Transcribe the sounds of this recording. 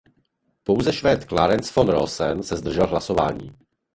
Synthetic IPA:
po̞wzɛʃvɛːt̪klaːɾɛnsfonɾo̰sɛ̰nsɛzd̪r̩ʒɛlɦlaso̞va̰ːɲḭː

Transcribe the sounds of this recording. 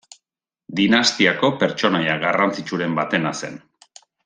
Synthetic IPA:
d̪inast̪iako̞pe̞ɾt͡ʃo̞najaɣarant͡sit͡ʃuɾe̞mbat̪e̞nase̞̰n

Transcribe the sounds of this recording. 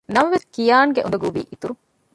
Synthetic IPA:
nɐmɐʋeskijaːŋɡeʔṵɐɡuʋḭːʔit̪uɾu

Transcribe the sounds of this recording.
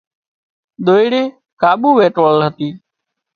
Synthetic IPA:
ɗ̪oːiɽeː | kaːɓuːʋeːʈolɦət̪iː

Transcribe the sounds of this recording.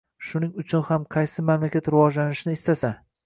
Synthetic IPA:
ʃʊnɪŋʊt͡ʃʰʊnhamqʰɑjsɪmamlakʲat̪ɾɪvɒd͡ʒlanɪʃɪnɪːst̪asa

